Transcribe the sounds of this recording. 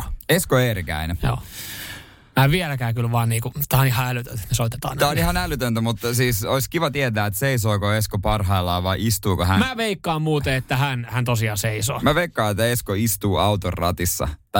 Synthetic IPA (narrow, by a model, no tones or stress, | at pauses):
eskoeːrikæ̰inejo̰ː | mæːʋielækæːkylʋɑːnniːkut̪ːæɑnihɑælyt̪ø̰t̪e̥t̪nesoit̪et̪ɑ̰ːnt̪æːonihɑnælyt̪ønt̪æmut̪ːsiːsoiskiʋɑt̪iet̪æːet̪seisoːkoeskopɑrɦɑilːɑːʋɑiʔist̪uːkohænmæːʋeikːɑːmmuːt̪eet̪ːæhænhænt̪osiɑːseiso̰ːmæʋeikːɑːet̪ːæeskoist̪uːɑut̪orːɑ̰t̪isːɑ̰t̪ɑ